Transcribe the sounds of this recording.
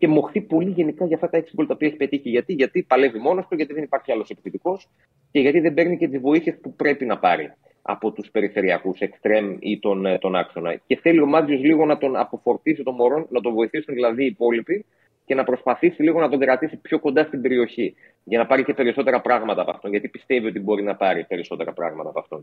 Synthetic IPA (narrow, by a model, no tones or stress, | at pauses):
ce̞mo̞xθipo̞liʝe̞nikɐʝɐft̪ɐt̪ɐeksikolɐt̪ɐopiɐeçi̥pe̞t̪içiʝɐt̪iʝɐt̪ipɐle̞vimo̞noɐft̪oʝɐt̪iðe̞nipɐɾçiɐlo̞sepiθit̪iko̞s | ce̞ʝɐt̪iðembe̞ɾnicet̪izvo̞iθie̞spupɾe̞pinɐpɐɾḭ | ɐ̰po̞t̪uspe̞ɾife̞ɾiɐ̰kuse̞kst̪ɾe̞mit̪o̞nt̪o̞nɐkso̞nɐ̰ce̞θe̞lio̞mɐzio̞zliɣo̞nɐt̪o̞nɐpo̞fo̞ɾt̪isit̪o̞mo̞ɾo̞nːɐt̪ovo̞iθisunðilɐðiːpo̞lipi | cenɐpɾo̞spɐθisiliɣo̞nɐt̪oŋɡɾɐt̪isipço̞ko̞nd̪ɐst̪ibe̞ɾio̞çi | ʝɐnɐpɐɾice̞pe̞ɾiso̞t̪e̞ɾɐpɾɐɣmɐt̪ɐːpɐ̰ft̪onʝɐt̪ipist̪e̞vio̞t̪ibo̞ɾinɐpɐɾipe̞ɾiso̞t̪e̞ɾɐpɾɐ̰ɣmɐt̪ɐːpɐft̪o̞n